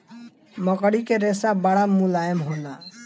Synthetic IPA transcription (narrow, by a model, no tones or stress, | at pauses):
mʌkəɽikeɾesabaɽamulajemɦona